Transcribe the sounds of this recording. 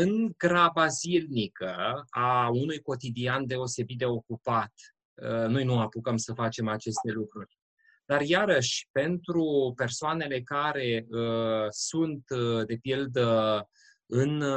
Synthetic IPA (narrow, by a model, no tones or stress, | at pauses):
ɨŋɡɾabazilnikəaunujko̞t̪id̪iand̪e̞o̞se̞bit̪̚d̪eo̞kupat̪ | ənojnuapukəmsəfat͡ʃe̞mat͡ʃe̞st̪e̞lukɾurʲ | d̪̥arjaɾəʃʲpe̞nt̪ɾupe̞rsoane̞le̞kaɾe̞əsunt̪d̪e̞pild̪ə | ɨn